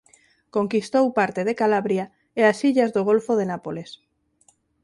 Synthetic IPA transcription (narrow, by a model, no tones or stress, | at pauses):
koŋkist̪owpaɾt̪eð̞ekalaβɾja | easiʎazðoɣ̞olfoð̞enapoles